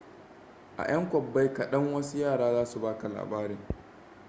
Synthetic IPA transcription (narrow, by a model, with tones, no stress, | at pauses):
ʔa̰˨j̰ɐ˦ŋkʷɔ˨bːa˦jka˨ɗɐ˦ŋwɐ˦su˦jaː˦˨ɽaː˦zaː˦su˨baː˦ka˨la̰ː˨baː˦ɾeː˨